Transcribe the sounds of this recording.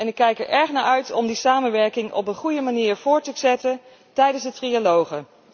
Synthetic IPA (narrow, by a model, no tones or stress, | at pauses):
ɛnɪkːɛjkɛɹʔɛɹχnaːɹʔœɥtʰɔmdisaːmənʋɛɹkɪŋɔ̰pənχujəmaniːɹv̥ʊːɹtəzɛtən | tɛjdənzdətrialowχə